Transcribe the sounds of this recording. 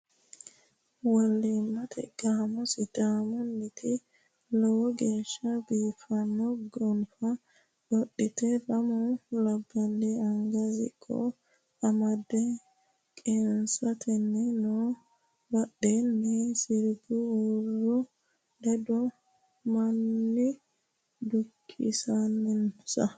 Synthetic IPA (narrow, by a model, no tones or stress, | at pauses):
wɐlːimːɐt̪ʰɛ̰ɡ̥aːmɔsɪd̪aːmɔnːɪt̪ʰɪ | lɔwɔɡeːʃːɐbiːfɐnːɔɡɔnfɐ | ɗɔɗːɪt̪ɛlɐmɔlɐbːɐlːɛɐŋɡɐzɪ̰kʰːɔ̰ | ɐmɐd̪ɛ | kʼensɐt̪ʰɛnːɛno | bɐɗːɛnːɛsɪɾɡʊurːɔ | d̪ɛd̪ɔ | mɐnːɪ | d̪ʊkʰːɪ̰sɐnːɛnsɐ